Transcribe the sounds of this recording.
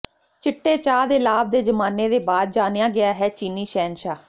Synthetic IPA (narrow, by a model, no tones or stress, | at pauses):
t͡ʃɪʈːeːt͡ʃaːd̪eːlaːb̚d̪eːd͡ʒəmaːneːd̪eːbaːd̪̚d͡ʒaːnɪjaːɡɪaːɦɛːt͡ʃiːniːʃɛːnʃaː